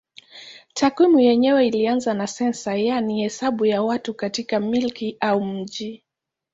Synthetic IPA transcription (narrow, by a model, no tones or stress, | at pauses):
tʰakwimujɛɲɛwɛilianzanasɛnsajanihɛsaɓujawatukatikamilkiaum̩ʄi